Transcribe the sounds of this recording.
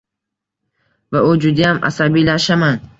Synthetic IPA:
vaʊd͡ʒʊd̪ijamʔa̰sabilaʃaman

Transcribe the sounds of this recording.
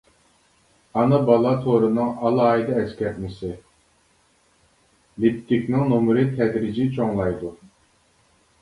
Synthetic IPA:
ɑnɨbɑlˠɑt̪ʰoɾɨnɨŋɑlˠɑːid̪ɑɛskʲɛɾnɪsɪ | lipt̪ːikʲnɪŋnomɾɨt̪ʰɛd̪ɾid͡ʒit͡ʃʰoŋlˠɑjd̪u

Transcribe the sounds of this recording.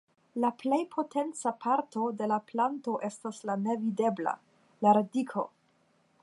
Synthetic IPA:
laple̞jpʰo̞tʰe̞nt͡sapʰaɾto̞de̞laplanto̞ʔe̞staslane̞vide̞bla̰ | laɾadikʰo̞

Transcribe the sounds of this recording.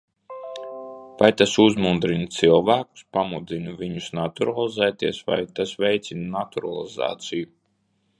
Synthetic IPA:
vajt̪asuzmund̪ɾint̪silˠvæːku̥spamud̪zinuviɲusnat̪uɾalˠizɛːt̪iɛsva̰jt̪asvɛjt̪sʲinunat̪uɾa̰lˠiza̰ːt̪siju

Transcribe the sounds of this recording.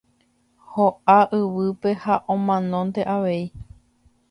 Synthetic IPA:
hoʔaʔɨʋɨpe̞haʔõmãnõ̞nt̪e̞ʔaʋe̞i

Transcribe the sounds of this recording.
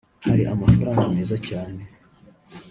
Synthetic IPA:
haɾiʔamafaɾaːŋɡaneːzacaːne̞

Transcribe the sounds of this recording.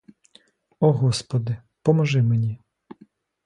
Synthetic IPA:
ɔɦɔspɔd̪ɪ | pɔmɔʒɪmenʲi

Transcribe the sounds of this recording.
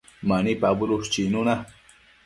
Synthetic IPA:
manipabuɾuʂt͡ʃinuna

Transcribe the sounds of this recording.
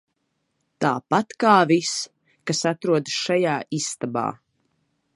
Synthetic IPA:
t̪aːpat̪kaːvis | kasat̪ɾuɔd̪sʃajaːisːt̪aba̰ː

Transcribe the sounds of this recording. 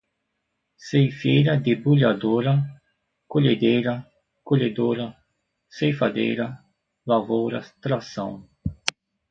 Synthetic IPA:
sejfejɾɐd̪ebuʎad̪oɾɐ | koʎed̪ejɾɐ | koʎed̪oɾɐ | sejfad̪ḛjɾɐ | lavowɾɐ̰st̪ɾasɐ̰̃w̃

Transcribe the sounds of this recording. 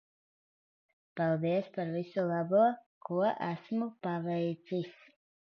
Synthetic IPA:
palˠd̪iɛspaɾvisulˠabuɔkuɔʔæsmupavɛjt̪sis

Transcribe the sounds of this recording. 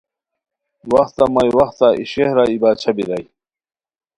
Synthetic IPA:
wɐxt̪amɐjwɐxt̪aiɕehɾaibaːt͡ɕʰɐbiɾaj

